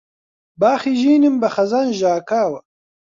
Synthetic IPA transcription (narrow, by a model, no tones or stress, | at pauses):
baːxiʒiːnimbɐχɐzanʒaːkaːwɐ